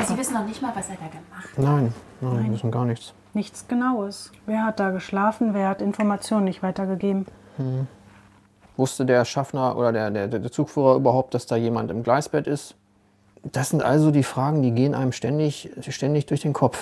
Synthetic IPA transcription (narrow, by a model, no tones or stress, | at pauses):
zivɪsn̩nɔχnɪçtmaːlvaseːɐdaːɡəmanaɪnnaɪndasn̩tɡ̥aːɐnɪçt͡s | nɪçt͡sɡ̥ənaʊəsveːɐɦat̚d̥aːɡəʃlaːfn̩veːɐhatɪnfɔɐmat͡sjoːnənɪçtv̥aɪtɐɡəɡeːbm̩ | h̩h̩ | vʊstədeːɐʃafnɐʔo̰ːdɐdeːɐdeːɐddeːɐt͡suːkfyːʁɐʔyːbɐhaʊp̚td̥asd̥aːjeːmantɪmɡlaɪsb̥ɛtɪst | d̥asz̥ɪntʔa̰lzodiːfʁ̥aːɡŋ̩diːɡeːənʔa̰ɪnəmʃtɛndɪçʃtɛndɪçd̥ʊɐçd̥eːnkʰɔpp͡f